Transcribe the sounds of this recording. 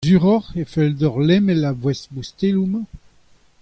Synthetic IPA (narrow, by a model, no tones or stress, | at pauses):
zyʁɔʁefɛldɔʁlɛmɛlabwɛsbust̪elum